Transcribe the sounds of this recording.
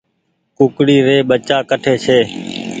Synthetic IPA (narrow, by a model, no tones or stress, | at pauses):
kʊkɽiːɾeːɓət͡ʃaːkəʈʰeːt͡ʃʰeː